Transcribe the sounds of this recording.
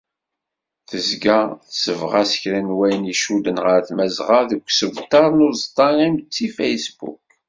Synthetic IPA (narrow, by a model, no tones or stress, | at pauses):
θəzɡaθsəvʁasə̥çɾænwæjniʃud̪ənʁəɾθmæzʁaðəkʷːsəvt̪ˤːɑɾˤnʊɾzt̪ˤːɑʁimt͡sːifejsbṵk̚